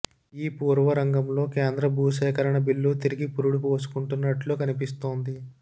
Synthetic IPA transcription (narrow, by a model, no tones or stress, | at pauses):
iːpuːɾʋɐɾɐŋɡɐmlo̞ːkeːnd̪ɾɐbʱuːsɛːkɐɾɐɳɐbilːut̪iɾiɡipuɾuɽupuʋɐsu̥kuɳʈunːɐʈloːkɐnipist̪o̞ːnd̪i